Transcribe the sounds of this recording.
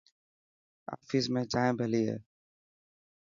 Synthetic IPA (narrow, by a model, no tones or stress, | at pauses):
a̰ːfis̬mẽːd͡ʒãːẽbʱəliɦɛ̰ː